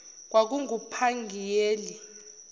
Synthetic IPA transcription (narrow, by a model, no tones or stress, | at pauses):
k̬wak̬uŋupʰaŋɡʱijeːli